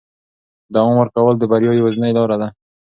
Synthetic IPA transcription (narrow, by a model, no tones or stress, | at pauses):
d̪awɑmwəɾkawəld̪əbaɾjɑjiwaznəɪlɑɾad̪a